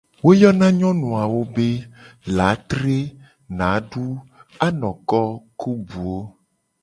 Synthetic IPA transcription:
wo˦jɔ˦nã˦ɲɔ̃˦nũ˨a˨wo˦be˦la˨˦t̪ɾe˦ | nã˨˦ɖu˦a˦nɔ̃˨kɔ˦ku˦bu˨o˦

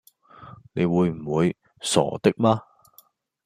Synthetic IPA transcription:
ne˨˧jwuː˨˧jm̩˨˩wuː˨˧j | sɔ̰ː˨˩t̪ɪ˥k̚maː˥

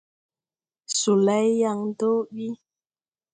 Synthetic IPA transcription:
su˨la˨˦jja˧ŋ˦do˦ɓi˦

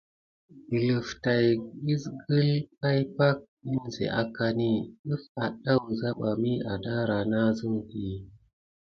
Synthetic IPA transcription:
i˨lu˨fta˨ji˦sɡə˦lp̚a˦jpa˦k̚ | i˦nzḛ˨ʔa˦ka˦ni˦ɗu˦fa˨ɗa˦wza˦ɓa˨mi˦a˨da˦ɾa˨na˦zɨ˦ŋki˨

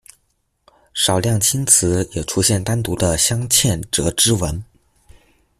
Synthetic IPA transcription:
ʂɑ˨˩ʊljɑ˥˩ŋt͡ɕʰi˥nt͡sʰɹ̩˧˥jɛ˨˩ʈ͡ʂʰu˥ɕjɛ˥˩nt̪a˥nt̪u˧˥d̪ə˧ɕjɑ˥ŋt͡ɕʰjɛ˥˩nʈ͡ʂɤ˧˥ʈ͡ʂɻ̩˥wə˧˥n

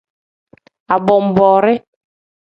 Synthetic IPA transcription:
a˨bɔ˨m̩˨bɔ˨ɾɪ˦

